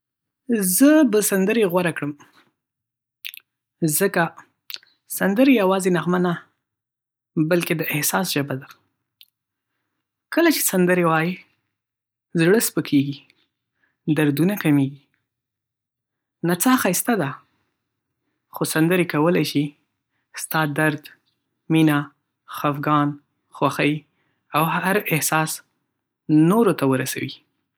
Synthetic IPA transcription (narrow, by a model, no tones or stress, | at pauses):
zəbəsand̪əɾeɣwaɾakɽəm | zəka | sand̪əɾejawɑzenaɣmana | balked̪əʔɪhsɑsʒ̥abad̪a | kəlat͡ʃe̥sand̪əɾewɑji | zɽəspəkʰeɡi | d̪aɾd̪unakameɡi | nat͡sɑxɑjst̪ad̪a | xosand̪əɾekawəlajʃi | st̪ɑd̪aɾd̪ | mina | xafɡɑn | xwaxaj | awhaɾɪhsɑs | noɾot̪awəɾasa̰wi